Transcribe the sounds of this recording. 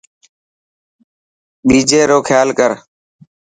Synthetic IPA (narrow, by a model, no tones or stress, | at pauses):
ɓiːd͡ʒeːɾoːkʰjaːlkəɾ